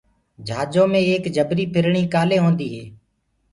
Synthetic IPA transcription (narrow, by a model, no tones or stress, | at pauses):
d͡ʒʱaːd͡ʒõːmẽːeːkd͡ʒʱəbɾiːpʰɪɾɳiːkaːleːɦõːnd̪iːɦeː